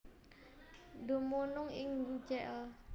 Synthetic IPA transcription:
d̪o̤monʊŋɪŋd͡ʒɛʔl

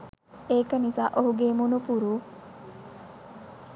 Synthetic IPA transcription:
eːkənizaːʔoɦuɡeːmunupuɾuː

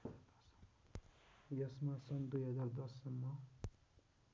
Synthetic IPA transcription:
jʌsmasʌnd̪ujɦʌd͡zaɾd̪ʌsːʌnːʌ

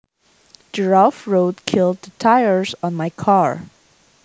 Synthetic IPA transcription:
d̥əɹalfɹoʊdkʰɪlˠd̪̚ðətʰaɪə˞z̃n̩maɪkʰɑɹ

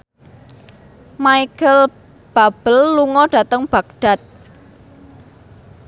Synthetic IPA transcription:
maikəl | b̥a̤b̥əlːuŋɔɖ̥ä̤t̪əŋb̥ä̤k̚ɖ̥a̤t̪̚

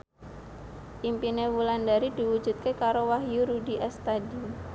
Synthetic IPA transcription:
ʔimpinewulandaɾid̪̥i̤wu̥ʒ̥ṳt̪̚kekaɾowaɦjuɾudiʔɛst̪adi

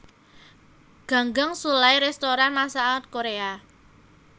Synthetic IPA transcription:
ɡ̥a̤ŋɡaŋsulajɾɛst̪oɾanmasaət̪̚koɾea

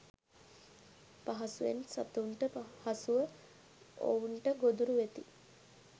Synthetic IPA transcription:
paɦɐsuʋensat̪əuɳʈəhasuʋə | o̰uɳʈəɡod̪uɾuʋet̪i

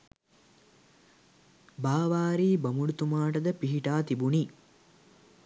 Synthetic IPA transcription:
baːʋaːɾiːbɐmuɽut̪umaːʈəd̪əpiɦiʈaːt̪ibuni

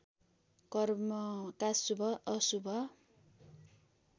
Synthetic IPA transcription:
kʌrmʌkasubʱʌʔʌsubʱʌ

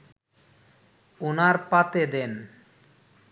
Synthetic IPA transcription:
onaɾpat̪ed̪en

